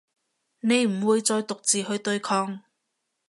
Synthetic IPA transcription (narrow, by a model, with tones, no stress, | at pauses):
ne˨˧jm̩˨˩wuː˨˧jt͡sɔː˧jt̪ʊ˨k̚t͡siː˨˩hɵ˧ɥt̪ɵ˧ɥkʰɔː˧ŋ